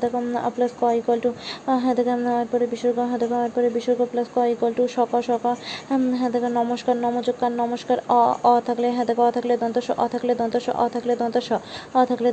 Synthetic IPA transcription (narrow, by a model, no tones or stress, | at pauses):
d̪ɛkɔ̰plaskɔikɔlʈuɦɛ̃d̪ɛkaeɾpɔɾebiʃoɾɡɔɦɛ̃d̪ɛkɔeɾpɔɾebiʃoɾɡɔplaskɔikɔlʈuʃɔkɔʃɔkɔɦɛ̃d̪ɛkanɔmoʃkaɾnɔmod͡ʑokːaɾnɔmoʃkaɾɔɔt̪ʰakleɦɛ̃d̪ɛkɔɔt̪ʰakled̪ɔnt̪aʃɔ̰ʔɔ̰t̪ʰakled̪ɔnt̪ɔʃɔ̰ʔɔ̰t̪ʰakled̪ɔnt̪aʃɔɔt̪ʰakle